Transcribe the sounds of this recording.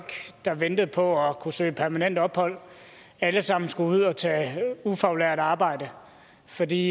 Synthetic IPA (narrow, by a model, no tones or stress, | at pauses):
ɡ̥d̥ɑ̈ʋend̥ð̞̩ˠpʰɒ̽ɒkʰusø̰ːpʰæɐmænen̰d̥ɒ̽b̥hɒ̽l̰ | æləsɑ̈m̰n̩sɡ̥uuð̞̰ˠɒt͡sʰɛ̰ːufæʊleɐd̥ɑ̈ːb̥ɑ̈ɪ̰d̥ə | fɒ̽dḭː